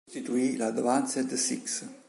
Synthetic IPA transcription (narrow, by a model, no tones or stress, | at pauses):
t̪it̪uilad̪əvansəd̪əsḭks